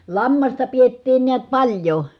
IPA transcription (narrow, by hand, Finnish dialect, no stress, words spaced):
lɑmːɑstɑ pietːiːn niæt pɑlʲjo